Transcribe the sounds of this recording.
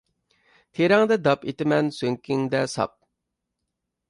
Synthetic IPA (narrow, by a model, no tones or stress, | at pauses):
t̪ʰeɾɛŋd̪ɛd̪ɑpet̪ɪmɛnsøŋkʲʰiŋd̪ɛsɑ̰p̚